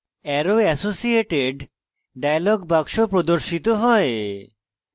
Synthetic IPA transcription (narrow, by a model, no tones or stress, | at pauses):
ɛɾoɛsosieʈeɖ | ɖajaloɡbaɡʃopɾod̪oɾʃit̪oɦɔe